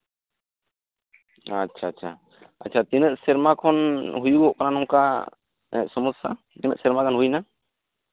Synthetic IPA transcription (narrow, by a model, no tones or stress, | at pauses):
at͡ʃʰaːt͡ʃʰa̰ | a̰t͡ʃʰat̪inəʔsɛɾmakʰɔnɦujuɔʔkananɔŋka | ɛ̰ʔsɔmɔsa | inə̰ʔsɛɾmakanɦujna